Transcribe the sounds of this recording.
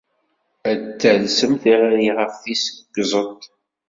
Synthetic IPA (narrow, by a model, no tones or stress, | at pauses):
æt͡sːəlsəmθiʁaɾiʁəfθisəɡzˤət̪ˤ